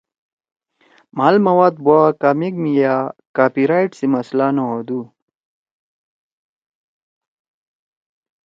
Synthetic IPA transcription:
malmɐwaːd̪̚buakaːmikmijakaːpiɾajʈsimɐslanood̪u

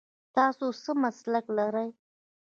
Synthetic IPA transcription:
t̪ɑsosəmaslaklaɾəj

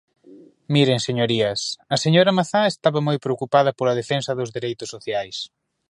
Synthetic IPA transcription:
miɾeŋseɲoɾiɐsɐseɲoɾɐmaθaest̪aβɐmojpɾeokupað̞ɐpolɐð̞efensɐðʊzðiɾejt̪ʊsːoθjajs

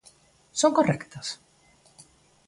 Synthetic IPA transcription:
soŋkɔrɛkt̪as

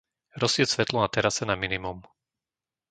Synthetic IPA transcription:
ɾɔsɪɛsʋɛt̪lɔnat̪ɛɾasɛnaminimum

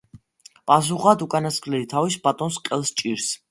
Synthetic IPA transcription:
pʼas̬uχad̪ukʼanasχlɛlit̪ʰavisbat̪ʼɔnsqʼɛlˠst͡ʃʼiɾs

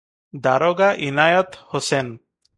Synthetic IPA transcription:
d̪aɾoɡaʔinajat̪hosen

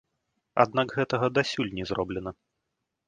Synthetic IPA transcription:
a̰d̪̚naɡɣɛt̪ɐɣɐd̪asʲulʲnʲɛzrɔblʲɛnɐ

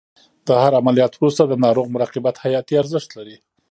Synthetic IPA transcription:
d̪̥əhaɾamalijɑt̪wɾust̪ad̪ənɑɾoɣmʊɾɑqɪbat̪hajɑt̪iaɾzəʃt̪laɾi

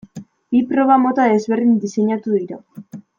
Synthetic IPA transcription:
bipɾo̞ɣ̞amo̞t̪aðe̞zβe̞rðind̪ise̞ɲat̪uðiɾa

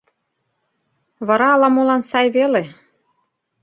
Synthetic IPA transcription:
βɤ̆ɾɑːlɑmolɑnsɑjβele

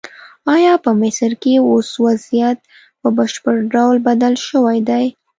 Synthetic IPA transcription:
ɑjɑpəmɪsəɾkeoswazijat̪̚ | pəbəʃpəɾɖawlbad̪alʃəwajd̪aj

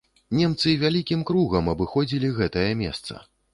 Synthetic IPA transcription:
nʲɛmt̪sɨvʲalʲikʲimkɾuɣɐmɐbɨxɔd͡zʲilʲiɣɛt̪ɐjɐmʲɛ̰st̪sɐ̰

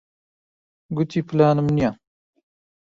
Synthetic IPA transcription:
ɡut̪iplaːnəmnija

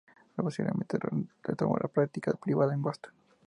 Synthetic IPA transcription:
reposiβlḛmẽnt̪eret̪omo̰lʔapɾak̚t̪ikapɾiβaðaeŋɡost̪o̥n

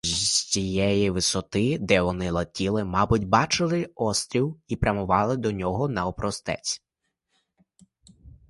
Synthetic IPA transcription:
t͡sʲijɛjiʋɪsɔt̪ɪd̪ɛʋɔnɪlˠɐtʲilˠɪmɑbʊtʲbɑt͡ʃɪlˠɪɔst̪ɾʲiwipɾʲɐmʊʋɑlˠɪd̪ɔnʲɔɦɔnɐɔpɾɔst̪ɛ̰t͡sʲ

